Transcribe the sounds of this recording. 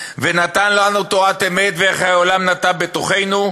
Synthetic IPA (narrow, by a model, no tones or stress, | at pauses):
venat̪anlanut̪oat̪eme̞t̪veeχhaolamnat̪abet̪oχe̞jnu